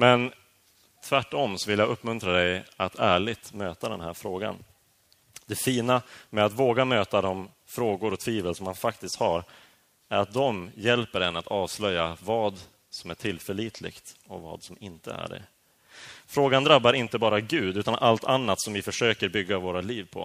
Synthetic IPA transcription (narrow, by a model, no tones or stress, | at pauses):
mɛn | t̪ʰvæʈːɔmsɔvɪljaːɡɵpːmɵnt̪ɾad̪ɛjat̪ʰæːɭɪɡt̪møːt̪ad̪ɛ̰nɦæ̰ːɾfɾoːɡa̰n | d̪ɛfiːnamɛat̪voːɡamøːt̪ad̪ɔm | fɾoːɡʊɾɔt̪ʰviːvəlsɔmhanfakt̪ɪst̪haɾ | æɾat̪̚d̪ɔmjɛlpəɖɛnːat̪ɑːvslœjːavɑːd̪ | sɔmæʈʰɪlfœɭiːt̪ʰlɪ̰ɡ̥t̪ɔvɑ̰ːd̪sɔmɪnt̪ə̰æ̰ɖɛ̰ | fɾoːɡand̪ɾabːaɾɪnt̪əbɑːɾaɡʉ̟ːd̪ʉːt̪anʔalt̪ʰanːat̪sɔmvɪfœʂøːkəɾbʏɡːavoːɾaliːvpʰɔ̰